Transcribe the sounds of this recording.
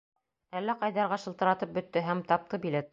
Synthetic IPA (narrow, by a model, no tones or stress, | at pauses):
ælːæqɑjðɑɾʁɑʃɤ̆lˠt̪ɤ̆ɾɑt̪ɤp̚bɵ̆t̪ːɵɦæmt̪ɑp̚t̪ɤbilæt̪